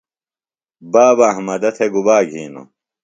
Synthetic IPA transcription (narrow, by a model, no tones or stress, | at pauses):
baːbɐɦmɐd̪ɐt̪ʰeɡubaːɡʱiːno̰